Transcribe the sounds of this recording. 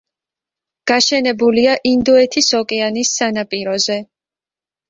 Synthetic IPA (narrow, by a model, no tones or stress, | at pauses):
ɡ̥aʃɛnɛbuliaʔind̪ɔɛt̪ʰisɔkʼɛanisːanapʼiɾɔzɛ